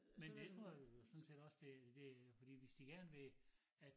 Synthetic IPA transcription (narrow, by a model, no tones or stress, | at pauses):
mend̥e̝t͡sʰʁo̝ɐ̰josɔ̽nse̝ːdɒ̽sd̥e̝d̥e̝fɒ̽d̥ḭːʋesd̥iɡ̥æɐnʋe̝ | æd̥